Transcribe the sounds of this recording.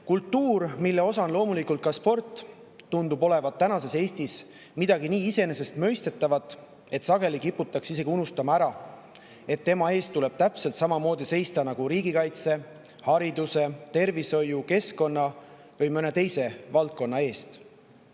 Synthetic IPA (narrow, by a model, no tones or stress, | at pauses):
kult̪ːuːrmilːe̞o̞sɑnlo̞ːmulikult̪̚kɑspo̞rt̪ˑː | und̪ubo̞le̞vɑt̪ːænɑse̞se̞ːst̪is | mid̪ɑɡ̥iniːise̞ne̞se̞st̪mø̞jst̪et̪ːˑɑvɑt̪ˑː | e̞t̪sɑɡ̥e̞likipːut̪ːˑɑksis̬e̞ɡ̥iunust̪ɑmɑæɾɑ | e̞t̪ːe̞mɑe̞ːst̪ːule̞b̥̚t̪æpse̞lt̪sɑmɑmo̞ːd̪̥ise̞jst̪ɑnɑɡ̥uɾiːɡikɑjt̪se̞ | hɑɾid̪̥use̞t̪e̞rviso̞juke̞sko̞nːɑ | vɯjmøne̞t̪e̞jse̞vɑlt̪̚ko̞nːɑe̞ːst̪